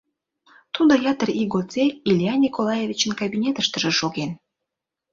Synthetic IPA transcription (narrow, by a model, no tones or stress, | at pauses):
t̪ud̪ojɑt̪əriɡot͡selʲilʲijɑnʲikolɑjevʲit͡ɕənkabʲinʲet̪əʃt̪ə̆ʒĕʃoɣen